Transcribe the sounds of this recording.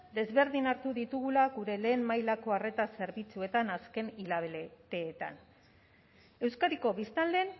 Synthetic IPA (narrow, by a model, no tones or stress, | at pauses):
d̪e̞zβe̞ɾðinaɾt̪uðit̪uɣulaɣuɾe̞le̞ːmmajlako̞are̞t̪ase̞ɾβit͡sue̞t̪anaske̞nilaβelet̪e̞ːt̪a̰n | e̞wskaɾiko̞βist̪ald̪e̞n